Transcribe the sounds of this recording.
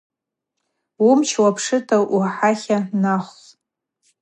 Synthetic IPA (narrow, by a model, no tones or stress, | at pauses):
wumt͡ʃʰwapʰʂɨtʰaʔuħaχʲanaχʷ